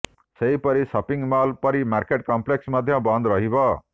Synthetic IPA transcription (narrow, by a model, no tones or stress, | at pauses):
sʌjpʌɾisʌpiŋmalpʌɾimarkeʈ̚kʌmpleksmʌd̪ʱjʌ̃bʌnd̪ɾʌɦibʌ